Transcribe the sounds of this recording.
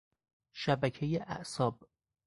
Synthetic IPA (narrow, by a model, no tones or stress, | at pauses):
ʃæbæcʰejeʔæ̰ʔsɒːb̥